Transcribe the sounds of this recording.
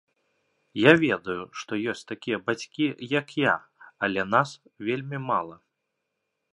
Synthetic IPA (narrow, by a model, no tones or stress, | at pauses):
javʲɛd̪ɐjuʂt̪ɔjɔsʲt̪akʲijɐbat͡sʲkʲijɐkja | ɐlʲɛnas | vʲelʲmʲimalˠɐ